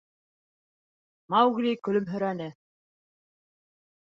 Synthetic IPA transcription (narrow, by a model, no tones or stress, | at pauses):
mɑwɣlʲikɵ̆lɵmɦɵ̆ɾænɘ